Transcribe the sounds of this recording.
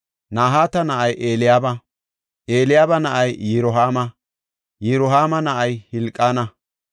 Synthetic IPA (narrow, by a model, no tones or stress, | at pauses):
naːɦaːt̪ɐnɐʔɐjʔe̞ːlɪjaːbɐ | ʔe̞ːlɪjaːbɐnɐʔɐjːɪɾɔɦaːmɐ | jɪɾɔɦaːmɐnɐʔɐjhɪlkʼːaːnɐ